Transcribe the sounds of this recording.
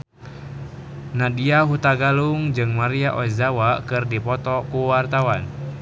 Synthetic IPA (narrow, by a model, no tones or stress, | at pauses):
nadiaɦut̪aɡaluŋd͡ʒɨŋmaɾiaʔɔɛzawakɨrdipɔt̪ɔkuwart̪awan